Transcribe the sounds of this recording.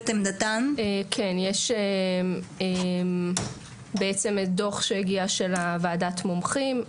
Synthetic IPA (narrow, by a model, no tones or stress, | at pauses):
t̪emd̪at̪anekʰenjeʃe | em | beet͡se̞medoχʃeheɡiaʃelavaːdatmomχim